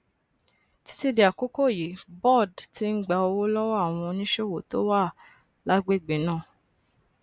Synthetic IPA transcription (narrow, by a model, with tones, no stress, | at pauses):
ti̥˧˦ti˦de˧a˨ko˨˦ko˦˨ji˨˦bɔ˦˨dti˦n̩˦ɡ͡ba˧o˧wo˦lɔ˦wa˦˨w̃ɔ̃˧nĩ˦ʃe˦wo˨to˦wa˦˨ | la˦ɡ͡be˦˨ɡ͡be˨˦nãː˦˨